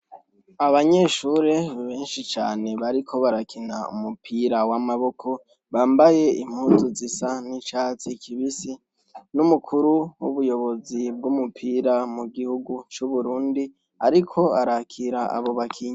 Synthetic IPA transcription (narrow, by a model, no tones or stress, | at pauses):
aβaɲe̞ʃuɾe̞βe̞ːnʃit͡ʃaːne̞βaɾikʰo̞βaɾakʰina̰ṵmupʰiːɾawamaβo̞kʰo̞ | βaːmbaje̞ʔim̥huːnzuzisanit͡ʃaːt͡sikʰiβisi | numukʰuɾuwuβujo̞βo̞zib̚ɡumupʰiːɾamuɡihuɡut͡ʃuβuɾuːndi | aɾikʰo̞aɾakʰiɾaa̰βo̞βakʰiːɲa